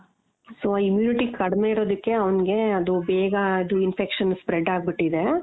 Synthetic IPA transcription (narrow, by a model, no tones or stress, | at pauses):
soːaːimjuːniʈikɐɽme̞iɽo̞ːd̪ikːe̞ɐʋɐnɡe̞ɐd̪ubɛːɡɐid̪uinpekʂɐnspɾeɖːaːɡ̚biʈːid̪e̞